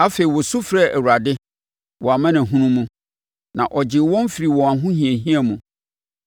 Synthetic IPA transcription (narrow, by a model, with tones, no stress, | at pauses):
a˦fe˨i˨wɔ˨sʊ˦fɾɛ˦˨ʔæ˨wu˨ɾa˨dɪ˦ | wʔɔ˨a˨mã˦nã˨ɦũ˦nũ˦mũ˦ | nã˨ʔɔ˨d͡ʑɪ˨˦wɔ̃˦m˦fi˨ɾi˨wɔ̃˨a˨ɦʊ̃˦hĩ˨ɛ˨ɦĩ˦a˨mũ˨